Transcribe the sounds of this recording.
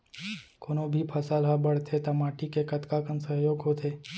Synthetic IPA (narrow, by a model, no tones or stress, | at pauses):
konobʱipʰɐsaːlɦabɐɽ̤t̪ʰet̪ɐmaːʈikekɐt̪kakənsɐɦjoːɡɦot̪ʰeː